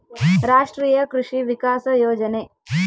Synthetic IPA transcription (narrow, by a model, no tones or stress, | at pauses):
ɾaːʂʈɾiːjɐkɾuʂiʋikaːsɐjoːd͡ʒɐne